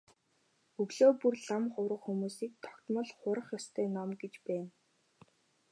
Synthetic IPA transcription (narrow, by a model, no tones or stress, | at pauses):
ɵɣɮoːpurɮamχʊwɾə̆qxumuːsiːk̚t̪ʰɔ̥kt̪mɞ̆ɮχʊɾə̆χjɔst̪ʰœːnɔmɡet͡ɕpæːn